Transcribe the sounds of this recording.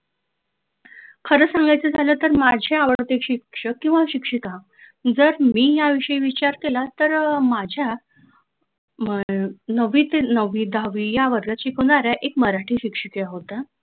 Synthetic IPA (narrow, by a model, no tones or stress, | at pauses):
kʰəɾəsãŋɡajt͡səd͡zʱaləːt̪əɾmad͡ʑʱeaʋəɽt̪ekɕikʂəkːĩw̃ʋaɕikʂika | d͡zəɾmiːjaʋiʂəiʋit͡ɕaɾkelat̪əɾmad͡ʑʱja | nəʋiːt̪nəʋiːd̪ʱaʋijaʋəɾɡat͡ɕikʰonaɾjaʔekməɾaʈʰiːɕikʂəkijaɦot̪a